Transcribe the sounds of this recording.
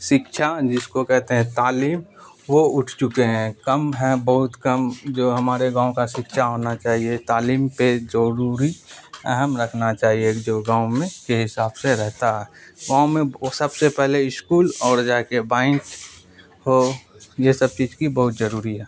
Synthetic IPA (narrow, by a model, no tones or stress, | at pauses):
ʃɪkʃʰad͡ʒɪskokɛɦt̪eɦɛ̃t̪aːliːm | ʋoʊʈʰt͡ʃʊkeɦɛ̃kəmɦɛbəɦʊt̪kəmd͡ʒoːɦɐmaːɾeɡãːõkaʃɪkʃʰaɦoːnat͡ʃaːɦiet̪aːliːmpezəɾuːɾiɛ̰ɦəmɾəkʰnat͡ʃaːɦieːd͡ʒoːɡãːõmẽkeɦɪsaːbseɾɛɦt̪aɦɛːɡãːʊ̃mẽsəbsepɛɦleɪʃkuːlɔːɾd͡ʒaːkebãːɪ̃k | ɦojesəb̚t͡ʃiːd͡ʒkibəɦʊt̪zəɾuːɾiɦɛː